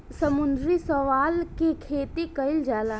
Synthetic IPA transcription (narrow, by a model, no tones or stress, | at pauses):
sɐmʊnd̪ɾisəʋaːlkekʰeːt̪ikɐɪld͡ʒaːlaː